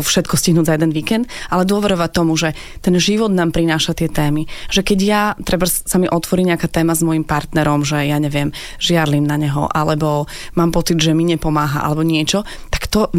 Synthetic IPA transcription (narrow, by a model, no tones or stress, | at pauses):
fʃɛt̪kɔsciɦnuːzajɛd̪ɛnʋiːkɛnd̪alɛd̪ʊɔʋɛɾɔʋat̪ɔmuʒɛ | t̪ɛnʒiʋɔd̪naːmpɾinaːʃat̪ɪɛt̪ɛːmiʒ̥ɛkɛɟjat̪ɾɛbasamiʔɔt̪ʋɔɾiɲɛakaːt̪ɛːmazmɔjimpaɾt̪nɛɾɔmʒɛjaɲɛʋɪɛm | ʒɪad̪limnaɲɛɦɔ̰ʔalɛbɔ | maːmpɔt͡sid̪ʒɛmiɲɛpɔmaːɦaʔa̰lɛbɔɲɪɛt͡ʃɔ | t̪ḁkt̪ɔ